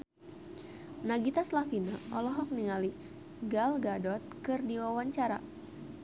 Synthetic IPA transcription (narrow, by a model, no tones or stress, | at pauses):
naɡit̪aslafinaʔɔlɔɦɔk̚niŋali | ɡalɡadɔt̪̚kɨrdiwawaɲt͡ʃaɾa̰